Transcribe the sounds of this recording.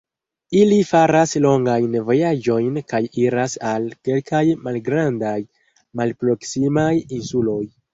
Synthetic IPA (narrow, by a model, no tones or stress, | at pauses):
ilifaɾaslo̞ŋɡajnvo̞jad͡ʒo̞jnkajiɾasalke̞lkʰajmalɡɾandaj | malpɾo̞ksimajinsulo̞j